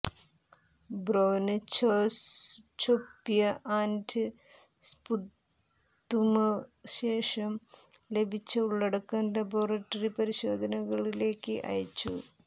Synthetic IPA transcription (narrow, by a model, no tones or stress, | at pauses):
broːnɨt͡ɕost͡ɕopːijɐʔaːndʰɨ | spud̪ | d̪umɐɕe̞ːʂɐmle̞bʱit͡ɕːɐuɭːeɽɐkːɐndɐboːrɐʈːɐripɐɾiɕo̞ːd̪ʱɐnɐɣɐɭile̞ːkːɨʔɐ̰jɐt͡ɕːṵ